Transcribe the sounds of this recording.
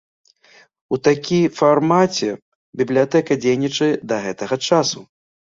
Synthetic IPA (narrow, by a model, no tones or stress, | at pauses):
ut̪akʲifarmat͡sʲɛ | bʲiblʲijat̪ɛkɐd͡zʲejnʲit͡ʂɐd̪ɐɣɛt̪ɐɣɐt͡ʂasu